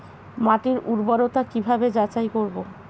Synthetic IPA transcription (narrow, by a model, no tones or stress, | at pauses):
maʈiɾuɾbaɾot̪akibʱabed͡ʑat͡ɕajkoɾbo